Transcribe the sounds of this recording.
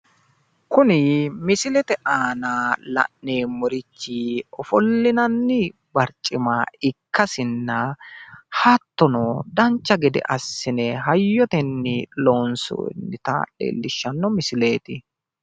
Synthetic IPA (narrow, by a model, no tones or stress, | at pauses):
kʊnɪmɪsɪlɛt̪ɛʔaːnaːlɐ̰ʔneːmɔɾɪt͡ʃːiɔfɔlːɪnɐnːɪ | bɐɾt͡ʃʼːɪmaɪkːɐsɪnːɐ | hɐt̪ːɔnɔd̪ɐnt͡ʃːɐɡɛd̪ɛ̰ʔɐsːɪnɛɦɐjːɔt̪ɛnːɪloːnso̰nːɪt̪ɐ̰lḛːlːɪʃːɐnːɔmɪsɪle̞ːt̪ɪ